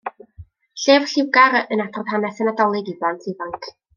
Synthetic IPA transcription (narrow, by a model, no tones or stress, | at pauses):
ɬeːvɬɪwɡaɾənadrɔðhanɛsɛnadɔlˠɪɡiblˠantʰivaŋkʰ